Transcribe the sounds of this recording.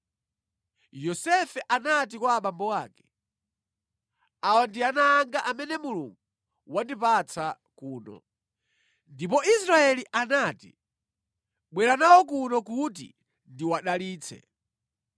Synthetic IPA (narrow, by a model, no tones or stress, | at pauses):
jɔsɛfɛʔanat̬ikwaːɓambɔwaːkɛ̥ | awandianaːŋɡaʔamɛnɛmuluŋɡu | wandipat͡sʰa | kuːnɔ̰ | ndipɔisɾaɛliʔanatḭ | ɓwɛɾanawɔk̬unɔkut̬ḭ | ndiwaɗaliːt͡sʰɛ̰